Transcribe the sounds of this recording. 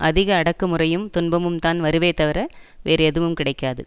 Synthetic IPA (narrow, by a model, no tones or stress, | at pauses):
ʔɐðɪɣɐːɽɐkːɯmɯrɐjɯmt̪ʊnbɐmɯmt̪aːnʋɐɾɯʋeːt̪ːɐʋɪɾɐʋeːɾɯɛðɯʋɯmkɪɽɐɪkːaːðɯ̰